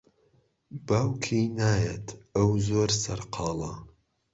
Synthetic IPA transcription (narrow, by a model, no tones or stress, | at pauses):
baːwkʰiːnaːjet̪ʰɐwzoːɾsɐɾqʰɑːlˠɐ